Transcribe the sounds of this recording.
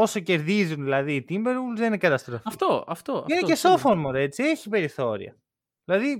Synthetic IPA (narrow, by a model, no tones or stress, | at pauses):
o̞so̞ce̞ɾðizunðilɐðiːt̪imbeɾulzðenekɐt̪ɐst̪ɾofɐft̪oɐ̰ft̪oɐineceso̞foɾmoɾe̞t͡sie̞çipe̞ɾiθo̞ɾḭɐ̰ | ðilɐði